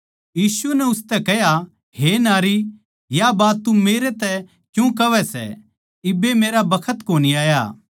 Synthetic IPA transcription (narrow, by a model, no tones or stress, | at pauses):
jiːsuɛnɛʊst̪ɛkɛɦja | ɦenaːɾi | jabaːt̪ːumeːɾet̪ɛ | kjũkɐʋɛsɛ̰ | ɪbːemeːɾabɐkʰət̪koːniaːja̰ː